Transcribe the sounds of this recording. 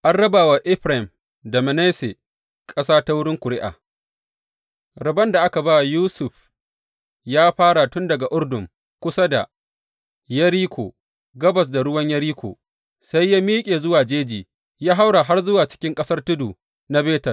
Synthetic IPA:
ʔa˦nɽɐ˦baː˨wa˨ʔɪ˦ɸɾa˨ɪ˨m | dɐ˨ma˨ne˦se˨ | kʼɐ˦saː˦ta˦wʊ˦ɽɪ˦ŋkʷʊ˨ɽɪ˦ʔa̰ː˨ | ɾɐ˨bɐ˦nda˨ʔa˦ka˨ba˦juː˦sʊ˨ɸ | jaː˦ɸaː˦ɽa˨tʊ˦ndɐ˨ɡa˨ʔʊ˦rdʊ˨ŋ | kʷʊ˦sa˦da̰˨ | jɐ˦ɾiː˦kʷo̰ː˨ | ɡɐ˦bɐ˨s̬da˨ɽʊ˦wɐ˦ɲjɐ˦ɾiː˦kʷo̰ː˨ | sa˦jːaː˦miː˦kʲʼeː˨zʊ˦waː˨d͡ʒeː˦d͡ʒiː˨ | jaː˦ɦa˦wɽa˨ɦa˦rzʊ˦waː˨t͡ʃɪ̥˦kʲɪ˦ŋkʼɐ˦sɐ˦rtʊ˦duː˨ | na˦beː˦tɐ˨r

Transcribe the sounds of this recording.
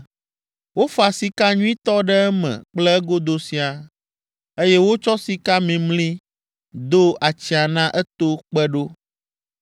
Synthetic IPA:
wo˦fo˦a˨si˨ka˦ɲũ˦ĩ˦t̪ɔ˦ɖɛ˦ɛ˦mɛ̰̃˨k͡plɛ˦ɛ˦ɡo˦d̪o˨si˨a˨ | e˦jɛ˦wo˦t͡ʃɔ˦si˨ka˦mĩ˨mlĩ˦ | d̪o˦a˨t͡ɕi˨a˨nã˦ʔɛ˦t̪o˦k͡pɛ˦ɖo˦

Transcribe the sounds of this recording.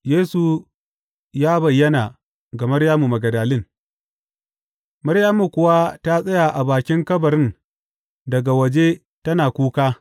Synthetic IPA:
jeː˦su˨ | jaː˦bɐ˨jːɐ˦naː˨ | ɡa˨mɐ˦ɽjaː˦mu˨mɐ˨ɡɐ˨daː˨lɪ˦˨ŋ | mɐ˦ɾjaː˦mu˨kʷʊ˨wa˦ta˦sʼɐ˦ja˨ʔa˨baː˨kʲɪ˦ŋkɐ˦bɐ˨ɾɪ˦n | dɐ˨ɡa˨wɐ˨d͡ʒe˦ | tɐ˦naː˨kʷuː˦kaː˦

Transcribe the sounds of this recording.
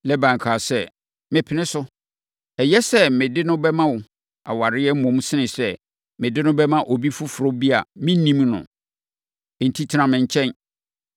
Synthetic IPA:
lɛ˦bã˨ŋ˨kʰaː˨sɛ˦ | mɪ̃˨pʰɪ˨nɪ̃˦sʊ˦ | ɛ˨jɛ˦sɛ˦mɪ̃˨dɪ˦nʊ̃˦bɛ˦mã˦wʊ˨ | a̰˨wa˨ɾɪ˦jɛ˦m̩˦mʊ̃˨˦m˦sɪ˦nɪ̃˨sɛ˦ | mɪ̃˨dɪ˦nʊ̃˦bɛ˦mã˦ʔo˨bi˦fʊ˦fʊ˨ɾo˦bi˦a˨mɪ̃˦nĩ˦mnʊ̰̃˨ | n̩˨tʰi˦tʰɪ˨˦ã˨mɪ̃˨ɲ˨t͡ɕʰɛ̃˦n

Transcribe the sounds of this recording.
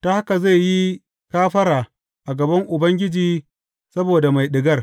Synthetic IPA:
ta˨˦ha˦ka˨za˦˨jji˦ | kaː˦ɸɐ˦ɾaː˨ | ʔa˨ɡɐ˨bɐ˦ŋʔʊ˨bɐ˦ŋɡʲɪ˦d͡ʒiː˦ | sɐ˦boː˨da˨ma˨jɗɪ˨ɡɐ˦r

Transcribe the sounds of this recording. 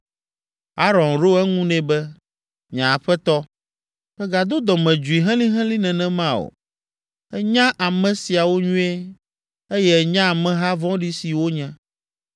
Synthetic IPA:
a˦ɾɔ̃˨nɾo˦ɛ˦ŋũ˦nɛ̃˦bɛ˦ | ɲã˨ɸɛ˦t̪ɔ˦ | ɸɛ˦ɡa˨d̪o˦d̪ɔ˨mɛ̃˨d͡ʒu˨i˨ɦɛ̃˦lĩ˦ɦɛ̃˦lĩ˦nɛ̃˨nɛ̃˨mã˦˨o̰˨ | ɛ˦ɲã˦ʔa˨mɛ̃˨si˨a˨wo˦ɲũ˦ɛ˦ | e˦jɛ˦ɛ˨ɲã˦˨mɛ̃˦ɦa˦vɔ̃˦ɖi˦si˨wo˦ɲɛ̃˦

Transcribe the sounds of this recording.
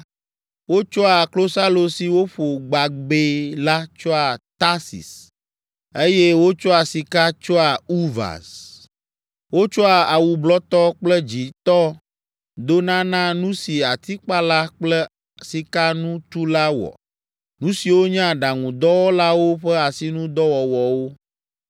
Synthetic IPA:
wo˦t͡ʃɔ˦a˨klo˦sa˦lo˨si˨wo˦ɸo˨ɡ͡ba˨ɡ͡be˨la˦t͡ʃɔ˦a˨t̪a˦sḭ˨s | e˦jɛ˦wo˦t͡ʃɔ˦a˨si˨ka˦t͡ʃɔ˦a˨u˦va̰˨s | wo˦t͡ʃɔ˦a˨a˨wu˨blɔ˦t̪ɔ˦k͡plɛ˦d͡ʑi˨t̪ɔ˦ | d̪o˦nã˦nã˦nũ˦si˨a˨t̪i˦k͡pa˦la˦k͡plɛ˦ | si˨ka˦nũ˦t̪u˦la˦wɔ̰˨ | nũ˦si˨wo˦ɲɛ̃˦a˨ɖa˨ŋũ˨d̪ɔ˦wɔ˦la˦wo˦ɸɛ˦a˨si˦nũ˦d̪ɔ˦wɔ˨wɔ˨wo˦

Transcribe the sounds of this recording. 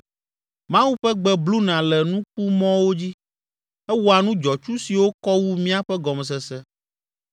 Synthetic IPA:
mã˦wu˦ɸɛ˦ɡ͡bɛ˦blu˦nã˨lɛ˨nũ˦k͡pu˦mɔ̃˦wo˦d͡ʑi˦ | ɛ˦wu˦a˨nũ˦d͡ʒɔ˨t͡ʃu˦si˨wo˦kɔ˦wu˦mĩ˦a˦ɸɛ˦ɡɔ˨mɛ˨s̬ɛ˨sɛ˦

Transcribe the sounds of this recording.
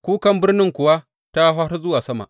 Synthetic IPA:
kʷuː˦kɐ˦mbɪ˦rnɪ˦ŋkʷʊ˨wa˦ | ta˦ɦaː˦ɾɐ˦zʊ˦waː˨sɐ˦ma̰˨ʔ

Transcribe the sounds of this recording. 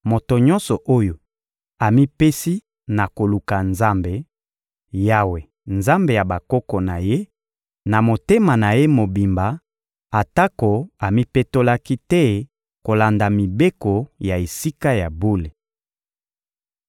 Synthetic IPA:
mo˨to˨ɲɔ̃˦nsɔ˨ʔo˦jo˨ | a˨mi˦pe˦si˦ | na˨ko˨lu˨ka˨nza˦mbe˨ | ja˦we˨ | nza˦mbe˨ja˨ba˨kɔ˦kɔ˨na˨je˦ | na˨mo˨te˦ma˨na˨je˦mo˨bi˨mba˨ | a˨ta˦ko˨a˨mi˦pe˦to˦la˦ki˦tɛ˦ | ko˨la˨nda˨mi˨be˦ko˨ja˨e˨si˦ka˦ja˨bo˦le˨

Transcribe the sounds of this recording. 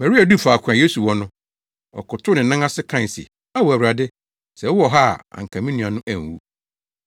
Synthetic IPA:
mæ˨ɾi˦a˨du˦fa˨kʷʰã˨je˦su˨wɔ˦nʊ̃˦ | ɔ̰˨kʊ˨tʰʊ˦nɪ̃˨˦nã˦ŋa˦sɪ˦kʰã˦˨n˨sɪ̰˨ | a˦wɔ˨æ˨wɾa˨dɪ˦ | sɛ˨˦ɔ˦˨ɦa˦˨ã̰˨ŋ̩˨kʰã˨mĩ˦nũ˨ã˨nʊ̃˦ʔæ̃˨ŋ˨wṵ˦

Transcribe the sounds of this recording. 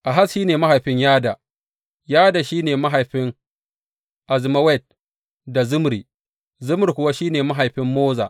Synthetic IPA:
ʔa˨ɦa˦sʃiː˦neː˨ma˦ɦa˨jɸɪ˦ɲjaː˦da˨ | jaː˦da˨ʃiː˦neː˨ma˦ɦa˨jɸɪ˦ŋ | ʔa˨zɪ˨ma˦wɛ˦˨t̚ | da˨zʊ˦mɾiː˨ | zʊ˦m˨ɾi˨kʷʊ˨wa˦ʃiː˦neː˨ma˦ɦa˨jɸɪ˦mːoː˦za̰ː˨

